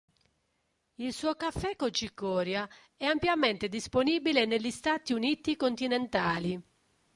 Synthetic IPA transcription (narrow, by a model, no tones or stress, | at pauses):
ilsuːokafːɛkːot͡ʃikːɔːɾja | ɛampjament̪ed̪isponiːbileneʎːist̪aːt̪iuniːt̪ikont̪inent̪aːli